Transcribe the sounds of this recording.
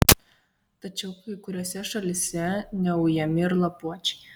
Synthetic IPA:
t̪ɐt͡ʃʲɛʊkɐɪkʊɾʲoɔsʲɛʃɐlʲɪsʲɛnʲɛʊjɛmʲɪɾlˠɐpuɔt͡ʃʲɛ̥ɪ

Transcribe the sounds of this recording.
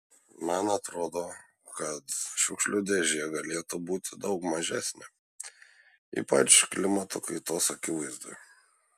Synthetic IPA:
mɐnɐt̪ɾoːd̪oː | kɐt̪ʃʊkʃʲlʲʊd̪ʲeʒʲɪjɛɡɐlʲeːt̪ubuːt̪ʲɪd̪ɐʊkmɐʒʲæsʲnʲe | ḭpɐ̰t͡ʃklʲɪmɐt̪o̰kɐɪt̪oːsɐkʲɪʋɐɪzd̪o̰ːj

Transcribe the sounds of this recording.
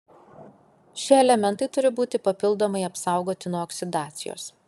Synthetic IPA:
ʃʲiɛɛlʲɛmʲɛnt̪ɐɪt̪ʊɾʲɪbuːt̪ʲɪpɐpʲɪlˠd̪oːmɐɪɐpsɑˑʊɡoːt̪ʲɪnuɔɔːksʲɪd̪ɑːt̪sʲɪjo̰ːs

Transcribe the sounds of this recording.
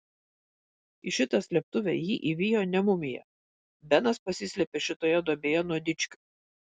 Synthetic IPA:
ɪʃʲɪt̪ɐsʲlʲɛp̚t̪ʊʋʲɛjiːʔiʋʲiːjoːnʲɛmʊmʲɪjɛ̰ | bʲɛnɐspɐsʲɪsʲlʲɛpʲeʃʲɪt̪oːjɛd̪oɔbʲeːjɛnuɔd̪ʲɪt͡ʃʲkʲʊ̥

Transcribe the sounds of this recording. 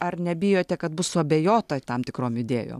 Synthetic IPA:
ɐrnʲɛbʲɪjoːt̪ʲɛkɐt̪̚bʊssʊɐbʲeːjoːt̪ɐt̪ɐmt̪ʲɪkɾoːmjɪd̪ʲḛːjo̰ːm

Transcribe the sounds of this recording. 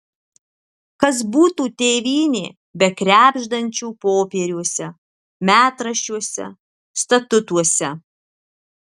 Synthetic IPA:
kɐsbuːt̪uːt̪ʲeːʋʲiːnʲeː | bʲɛkɾʲæːbʲʒd̪ɐnʲt͡ʃʲuːpoːpʲeːɾʲuɔsʲɛ | mʲæːt̪ɾɐʃʲt͡ʃʲuɔsʲɛ̰ | st̪ɐt̪ʊt̪uɔsʲɛ

